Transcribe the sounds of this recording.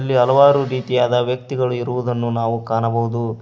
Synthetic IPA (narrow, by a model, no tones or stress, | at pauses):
lːiɦɐlɐʋaːɾuɾiːt̪ijaːd̪ɐʋjɐk̚t̪iɡɐɭuiɾuʋud̪ɐnːunaːʋukaːnɐbɐɦud̪u